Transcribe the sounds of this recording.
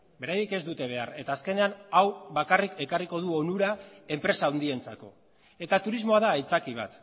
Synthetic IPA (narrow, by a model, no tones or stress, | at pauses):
be̞ɾajike̞zd̪ut̪e̞β̞e̞are̞t̪aːske̞ne̞anawβakarikʰe̞kariko̞ð̞uo̞nuɾae̞mpɾe̞saːwnd̪ie̞nt͡sako̞ | e̞t̪at̪uɾizmo̞að̞aːit͡sakiβ̞a̰t̪